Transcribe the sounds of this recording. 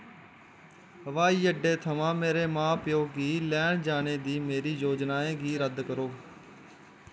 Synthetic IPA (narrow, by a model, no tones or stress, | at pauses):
ɦəʋaːiːəɖːeːt̪ʰəʋãːmeːɾeːmãːpɪjoːɡiːlɛːɳd͡ʒaːneːd̪iːmeːɾiːjoːd͡ʒnaːẽːɡiːɾəd̪kəɾoː